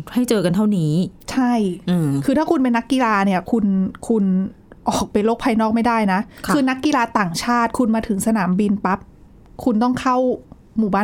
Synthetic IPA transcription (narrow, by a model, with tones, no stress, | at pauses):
ha˥˩jt͡ɕɤː˧ka˧nt̪ʰa˥˩wniː˦˥t͡ɕʰa˥˩jɯ˧kʰɯː˧t̪ʰaː˥˩kʰu˧np̬e˧nːa˦˥kːi˧laː˧ni˥˩ɐkʰu˧nkʰu˧n | ʔɔː˨˩k̚pa˧jloː˥˩k̚pʰaː˧jnɔː˥˩k̚ma˥˩jdaː˥˩jna˦˥ʔʰkʰɯː˧na˦˥kːi˧laː˧t̪aː˨˩ŋt͡ɕʰaː˥˩t̪̚kʰu˧nmaː˧t̪ʰɯ˩˦ŋsa˧naː˩˦mbi˧npa˦˥p̚ | kʰu˧nt̪̬ɔ˥˩ŋkʰa˥˩w | muː˨˩baː˥˩